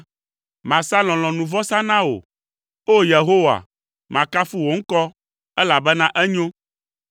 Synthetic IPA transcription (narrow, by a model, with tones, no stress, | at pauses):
mã˨sa˦lɔ̃˨lɔ̃˨nũ˨vɔ˦sã˦nã˦o̰˨ | o˦je˨ɦo˦wa̰˨ | mã˨ka˦fu˦wo˨ŋ̩˦kɔ˦ | ɛ˦la˨bɛ˦nã˦ʔɛ˦ɲõ˦